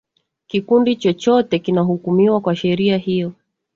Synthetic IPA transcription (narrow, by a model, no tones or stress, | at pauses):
kikundit͡ʃɔt͡ʃɔtɛkinaɦukumiwakwaʃɛɾiahijɔ